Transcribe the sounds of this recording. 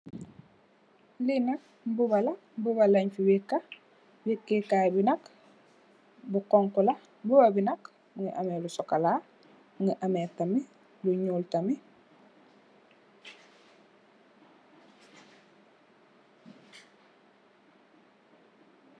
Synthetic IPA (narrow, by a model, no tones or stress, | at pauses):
linak̚ | bubalɐ | buβaleɲfiwikːa | wikːekabinak | bukɔŋkula | bubabinɐk | muŋiʔamelusɔkala | muŋiʔameːtami | luɲuːltami